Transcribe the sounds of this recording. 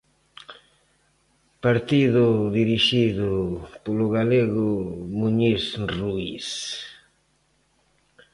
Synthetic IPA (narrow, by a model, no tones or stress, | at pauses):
paɾt̪iðʊðiɾiʃiðʊpolʊɣaleɣʊmuɲisruis